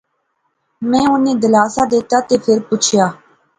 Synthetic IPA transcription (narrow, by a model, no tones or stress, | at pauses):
mɛ̃ːʊnẽːd̪əlaːsaːd̪eːt̪aːt̪eːpʰɪɾpʊt͡ʃʰjaː